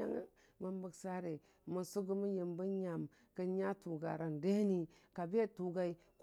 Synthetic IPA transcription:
a̰˦ŋ̰˦ | mə˨˦mbə˨ksa˦ɾe˨ | mə˨su˦ɡu˦mə˦ji˨mbə˦ɲa˨m | kə˦ɲa˦tu˨ɡa̰˨ɾa˨nde˦ni˦ | ka˨be˦tu˨ɡa˦i˦ | k

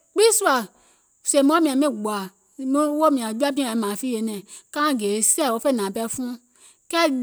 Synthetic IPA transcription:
k͡pi˦su˦a˨ | se˨mɔ̃˨˦mĩ˨ã˨mĩ˦˨ɡ͡ba˨ | mĩ˦wo˦mĩ˨ã˨d͡ʒu˦a˦pĩ˦ã˨ɛ˨˦mã˨fi˦je˨˦nɛ̃˨kã˦˨ɡe˨˦sɛ˦˨wo˧˦fe˦˨nã˨pɛ˦fũ˦ | kɛ˦

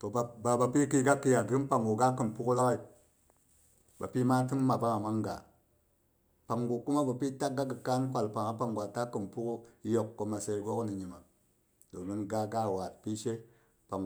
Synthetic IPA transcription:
to˨a˨ba˨ba˨pi˦ki˦ɡa˦kːi˦˧ja˨ɡɨ˦pa˨ŋɡu˨ɡa˦kɨ˨mpu˦ku˦la˦ka˦i˨ | ba̰˨pi˦ma˦tɨ˦mː˦a˨pa˦ŋa˨ma˦ŋɡa̰˨ | pa˨ŋɡu˨ku˦ma˦ba˨pi˦ta˦k̚ɡa˦kːɨ˨ka˦n˦kʷa˨lpa˨ŋa˦pa˨ŋɡʷa˨ta˦kɨ˨mpu˦ku˦jo˨kːo˨ma˨se˨˦ɡo˦kni˨ɲi˨ma˨ | do˨mi˦nɡa˦ɡa˦˨wa˨t̚pi˦ʃe˦ | pa˨ŋ

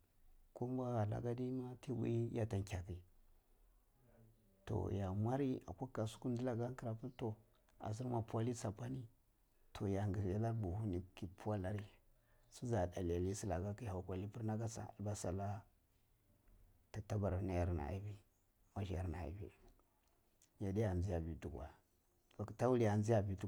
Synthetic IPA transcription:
ku˦m˦bʷa˦ɣa˨la̰˨ɡa˦di˦ma˦ti˦wḭ˦ja˦ta˨ŋkʲa˨ki˨ | to̰˨ja˨mʷa˦ɾi˦a̰˨kʷa˦kːa˨su̥˦ku˦n˦di˦la˨ɡa˦ki˨ɾa˨pu˦to˨ | a̰˨z̬i˦ɾma˨pu˦a˦li˦sa˨pa˦ni˦ | tʰo˨ja˨ŋɡi˨a˦la˦ɾbu˨hu˦ni˨ki˦pu˦wa˦la˦ɾi˦ | su˦za˨da˨li˨a˨li˦si˦la˨ɡa˦ki˦ha˨kʷa˨li˦pi˦ɾna˦ɡa˦sa̰˨lba˦sa˨la˦ | ta˨ta˦ba˨ɾna˦ja˨ɾna̰˨i˦vi˦ | ma˦ʃi˨a˨ɾna̰˨ḭ˨vḭ˨ | ja˨di˦ja˨nzi˦ja˨bi˨tu˦˨ɡa˨ | ba˨ki˨ta˦wu˦li˦ja˨nzi˦ja˨bi˨tu˦

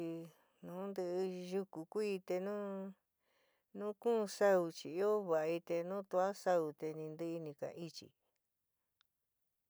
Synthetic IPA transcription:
i˧ | nũː˨˦nd̪ɨ˧ʔʒu˧ku˨kʷi˦˧t̪e˧nũː˦ | nũ˦kũ˦˧sa˦u˧t͡ʃi˧˨i˦o˦βa˨ʔi˧t̪e˧nũ˦t̪u˧a˦sa˧u˨t̪e˧nĩ˧nd̪ɨ˦˧i˧nĩ˧ka̰˨ʔi˦t͡ʃḭ˧

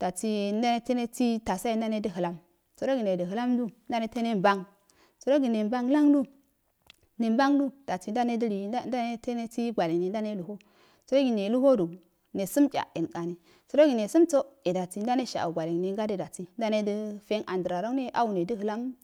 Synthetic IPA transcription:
d̥a˨t͡si˦n˦da˦ne˦te˦ne˦t͡si˦ta˨sa˦i˦n˦da˦ne˦də˦ɦɨ˨la˦m | so˨ɾo˦ɡi˨ne˨də˨ɦɨ˨la˦mdu˦n˦da˦ne˦te˦ne˦mba˦ŋ | so˨ɾo˦ɡi˨ne˨mba˦ŋla˦ŋdu˦ | ne˨m˦ba˦ŋdu˦d̥a˨ti˨˦n˦da˦ne˦də˦ɾi˨˦nda˦ne˦te˦ne˦t͡si˦ɡʷa˨le˨ŋne˨n˦da˦ne˦lu˨ho˦ | so˨ɾo˦ɡi˨ne˨lu˦ho˦du˨ | ne˨su˦mt͡ʃʲa̰˨e˨nka˨ni˨ | so˨˦ɾo˦ɡi˨ne˨su˦mt͡so˦e˨da˨t͡si˦n˦da˦ne˦ʃa̰˨ʔɡʷa˨le˨ŋ˨ne˨ŋɡa˦de˦da˨t͡si˦n˦da˦ne˦də˦fe˦nʔa˨ndə˨ɾa˨ɾo˦ŋne˦ʔa˦wu˨ne˨də˦ɦɨ˨la˦m

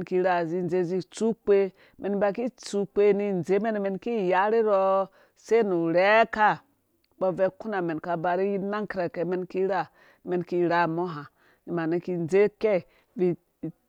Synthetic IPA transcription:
nki˦ɾa˨zi˦n˦ze˦zi˦t͡su˦k͡pe˦ | mʔe˨n˦ba˨ki˦t͡su˦k͡pe˦ni˦n˨ze˦me˦n˨me˨nki˦˨ja˦ɾi˦ɾo˦ | se˦nu˨ɾe˦ka˦ | bo˦ve˦ku˦na˨me˨nka˨ba˨ɾi˦ji˦na˦ŋki˦ɾa˨ke˨˦me˦nki˦ɾa˦˨ | me˨˦nki˦ɾa˦mo˦ɦa˨ | ni˨ma˨ni˦ki˦nze˦ke˦˨ | vi˦˨

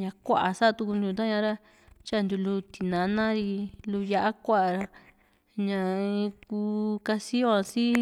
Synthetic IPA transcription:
ɲã˧kʷa̰˦˧ʔa˨sa˦˧t̪u˧ku˧nd̪u˧u˧ã˦ɲã˧˦ɾa˦ | t͡ʃa˦˧nd̪u˧lu˧t̪i˨nã˧nã˦ɾi˧lu˧ja˧ʔa˦kʷa˦ʔa˨ɾa˧ | ɲã˧ku˧ka˧si˦o˦a˧si˦

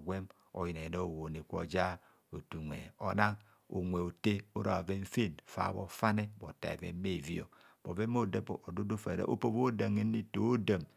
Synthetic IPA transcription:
ɡʷe˦m | o̰˨ji˨ne˨no˦o˨wo˨ne˨kʷo̰˨d͡ʒa˦ | o˨tu˨ŋʷḛ˨o˨na˦ŋ | o̰˨ŋʷe˨o˨te˦o˦ɾa˨ve˦ɱ̩˦fe˦˨nfa̰˨βo̰˨fa˦ne˦bo˨ta̰˨ḛ˨vḛ˦mːe˦˨vi˦o̰˨ | b̥o˨ve˦mo˦de˦po˨do˦do˦fe˨ɾḛ˦ʔo̰˦po˦bo˦da˨ŋe˦ni˦to˨˦o˦da˨m

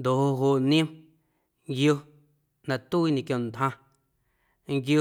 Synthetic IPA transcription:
nd̪o˨ʔho˧ɦo˧˨ʔnĩ˦m | ŋɡjo˧ | nã˧˨t̪u˦i˦ɲẽ˧kjõ˨n˨d̪hã˧ | ŋɡjo˧˦

